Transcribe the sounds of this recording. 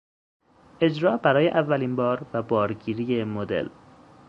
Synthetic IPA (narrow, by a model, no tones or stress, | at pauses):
ʔe̞d͡ʒɾɒːbæɾɒːjeʔævːæliːnbɒːɾvæbɒːɾɟiːɾijemod̪e̞̰l